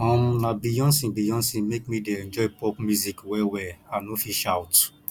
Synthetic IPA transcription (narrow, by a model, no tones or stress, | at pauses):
ɔ̃mnabijɔ̃nsĩbijɔ̃nsĩmek̚mideɛ̃nd͡ʒɔɪpɔpmjuzikwɛwɛanofiʃawt